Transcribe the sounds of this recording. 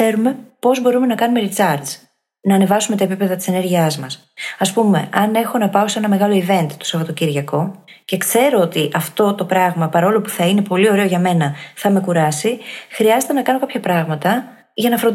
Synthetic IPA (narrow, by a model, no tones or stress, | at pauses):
e̞ɾume̞po̞zbo̞ɾume̞nɐkɐnume̞ɾit͡sɐɾd̪z | nɐːne̞vɐsume̞t̪ɐepipe̞ðɐt̪ise̞ne̞ɾʝiɐzmɐs | ɐspumḛɐne̞xo̞nɐpɐo̞se̞nɐme̞ɣɐlo̞ive̞nt̪it̪o̥sɐvɐt̪ociɾʝɐko̞ | ce̞kse̞ɾo̞ot̪iʔɐft̪o̞t̪o̞pɾɐɣmɐpɐɾo̞lo̞pu̥θɐine̞po̞lio̞ɾe̞oʝɐme̞nɐθɐme̞kuɾɐsixɾiɐzet̪enɐkɐno̞kɐpçɐpɾɐɣmɐt̪ɐ | ʝɐnɐfɾo